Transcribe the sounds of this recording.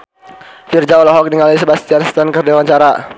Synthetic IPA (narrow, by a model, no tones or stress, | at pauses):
fird͡ʒaɔlɔɦɔk̚diŋalaisəbast̪ianst̪ənkərd͡ʒawaɲt͡ʃaɾa